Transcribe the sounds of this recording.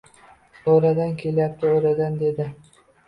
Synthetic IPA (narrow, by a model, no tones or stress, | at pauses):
oɾad̪ankʲʰe̞ljap̚t̪ʰɪoɾad̪and̪e̞d̪ɪ